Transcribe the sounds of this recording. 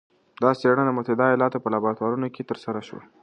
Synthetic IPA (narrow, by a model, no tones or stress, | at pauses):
d̪ɑseɳad̪əmʊt̪ad̪ɑjɑlɑt̪opəlabɑt̪wɑɾunoket̪əɾsaɾaʃwa̰